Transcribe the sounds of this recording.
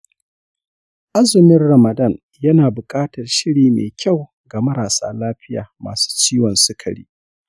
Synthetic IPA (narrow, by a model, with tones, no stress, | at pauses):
ʔa˦zɪ˨mɪ˦rɽɐ˨mɐ˨dɐ˦˨n | jɐ˦naː˨bʊ˨kʼaː˦tɐ˨rʃɪ˦ɽiː˨mḛː˨kʲʰa˦˨w | ɡa˨mɐ˦ɾaː˨sa̰ː˦laː˦ɸɪ˦ja̰ː˨ma̰ː˨su̥ː˦t͡ʃiː˦wɔ˨nsʊ˦kʰɐ˨ɽḭː˦